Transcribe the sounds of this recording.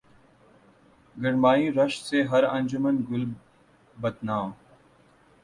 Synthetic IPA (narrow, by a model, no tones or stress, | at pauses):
ɡəɽmaːĩːɾəʃt̪seːɦɐɾə̃nd͡ʒʊmənɡʊl | bət̪naːm